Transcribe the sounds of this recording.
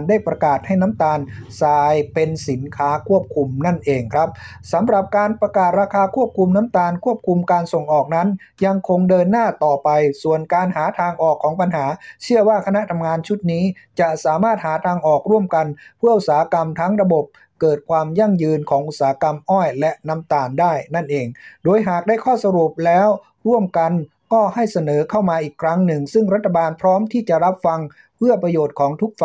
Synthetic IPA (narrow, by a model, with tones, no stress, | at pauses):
ndaː˥˩jpɾa˧kaː˨˩t̪̚ha˥˩jna˦˥mt̪aː˧nsaː˧jpe˧nsi˩˦nkʰaː˦˥kʰu˥˩əp̚kʰu˧mna˥˩nʔeː˧ŋkʰɾa˦˥p̚ | sa˨˦mɾa˨˩p̚kaː˧npɾa˧kaː˨˩t̪̚ɾaː˧kʰaː˧kʰu˥˩əp̚kʰu˧mna˦˥mt̪aː˧nkʰu˥˩əp̚kʰu˧mkaː˧nso˨˩ŋʔɔː˨˩k̚na˦˥n | ja˧ŋkʰo˧ŋdɤː˧nːaː˥˩t̪ɔː˨˩pa˧jsu˨˩ənkaː˧nɦaː˩˦t̪ʰaː˧ŋʔɔː˨˩kʰːɔː˩˦ŋpa˧nɦaː˩˦t͡ɕʰɯ˥˩əwaː˥˩kʰa˧na˦˥ʔt̪ʰa˧mŋaː˧nt͡ɕʰu˦˥t̪̚niː˦˥ | t͡ɕa˨˩saː˩˦maː˥˩t̪̚haː˩˦t̪ʰaː˧ŋʔɔː˨˩k̚ɾu˥˩əmka˧npʰɯ˥˩əʔu˨˩saː˩˦ha˦˧ka˧mt̪ʰa˦˥ŋɾa˧bo˨˩p̚ | kɤː˨˩t̪̚kʰwaː˧mja˥˩ŋjɯː˧nkʰɔː˩˦ŋʔu˨˩t̪̚saː˩˦a˦ka˧mʔɔː˥˩jlɛ˦˥ʔna˦˥mt̪aː˨˩ndaː˥˩jna˥˩nʔeː˧ŋdoː˧jɦaː˨˩k̚daː˥˩jkʰɔː˥˩sa˧ɾu˨˩p̚lɛː˦˥w | ɾu˥˩əmka˧n | kɔː˥˩ha˥˩jsa˧nɤː˩˦kʰa˥˩wmaː˧ʔiː˨˩kʰɾa˦˥ŋnɯ˨˩ŋsɯ˥˩ŋɾa˦˥t̪ʰːa˧baː˧npʰɾɔː˦˥mt̪ʰiː˥˩t͡ɕa˨˩ʔɾa˦˥p̚fa˧ŋ | pʰɯ˥˩əpɾa˧joː˨˩t̪̚kʰɔː˩˦ŋt̪ʰu˦˥k̚f